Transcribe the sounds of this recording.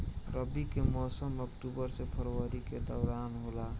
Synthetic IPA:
ɾəbikemɔːsəməkʈubəɾsepʰəɾwəɾiked̪ɔʊɾanɦola

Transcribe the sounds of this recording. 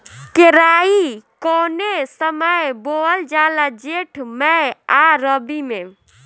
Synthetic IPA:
keɾaːikɔːnesəməjbold͡ʒalad͡ʒeʈʰmɛaɾəbimẽ

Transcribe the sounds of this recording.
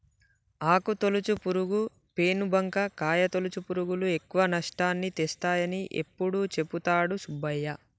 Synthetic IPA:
aːkut̪olut͡ʃupuɾuɡu | pe̞ːnubʱɐŋkɐkaːjɐt̪olut͡ʃupuɾuɡulue̞kːuʋɐnɐʂʈaːnːit̪ɛst̪aːjɐniʔḛpːuɽut͡ʃe̞pːut̪aːɽusubɐjːɐ

